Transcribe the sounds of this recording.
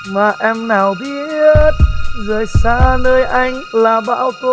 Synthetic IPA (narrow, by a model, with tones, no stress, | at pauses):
maː˨˩ʔɛ˧mnaː˨˩wɓi˧˦t̚zoː˨˩jsaː˧nəː˧jʔa˧jŋ̟laː˨˩ɓa̰ː˧˥˨wt̪o˧